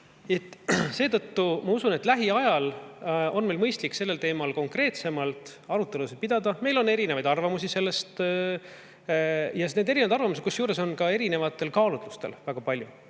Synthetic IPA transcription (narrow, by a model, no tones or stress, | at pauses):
e̞t̪ːˑse̞ːt̪ɤt̪ːumɑusune̞t̪læɦiɑjɑlo̞nmelmɤjst̪likːse̞lːe̞lt̪e̞ːmɑlko̞ŋkre̞ːt̪se̞mɑlt̪ɑɾut̪ːˑe̞lused̪̚pid̪̥ɑd̪ɑme̞jlo̞nːe̞ɾinevɑjd̪ɑrvɑmusise̞lːe̞st̪ | jɑne̞ːd̪e̞ɾinvjd̪ɑrvɑmuset̪kusjuːɾe̞so̞nkɑe̞ɾine̞vɑt̪ːˑe̞lkɑːlut̪lust̪e̞̰lvæɡ̥ɑpɑlʲju